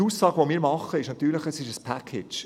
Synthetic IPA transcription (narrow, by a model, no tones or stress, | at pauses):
uːsɑːɡʋomiːɾmɑχːəɪʃnɑt̪yːɾləχəsɪʃəspʰækʰet͡ʃ